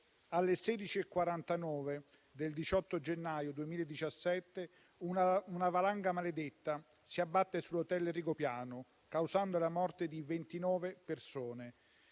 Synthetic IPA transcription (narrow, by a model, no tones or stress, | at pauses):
alːesɛːd̪it͡ʃiekːwaɾant̪anɔːve | d̪eld̪it͡ʃɔt̪ːod͡ʒenːaːjod̪uemiːled̪ːit͡ʃasːɛt̪ːe | uunavalaŋɡamaled̪et̪ːa | siabːat̪ːesulːot̪ɛlriɡopjaːnʊ | kawzand̪olamɔrt̪ed̪ivent̪inɔːvepersoːne